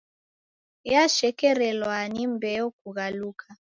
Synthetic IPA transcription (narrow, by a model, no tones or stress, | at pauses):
jaʃɛkɛɾɛlwanimbɛɔk̚uɣaluːkʰa